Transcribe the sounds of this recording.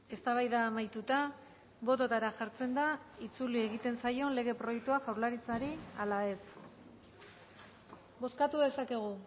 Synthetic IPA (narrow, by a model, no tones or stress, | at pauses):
e̞st̪aβajðaːmajt̪ut̪a | βo̞t̪o̞t̪aɾaʝaɾt͡se̞nd̪ait͡sulie̞ɣit̪e̞nsajo̞le̞ɣ̞e̞pɾo̞jekt̪uaʝawɾlaɾit͡saɾialae̞s | bo̞skat̪uðe̞sake̞ɣ̞u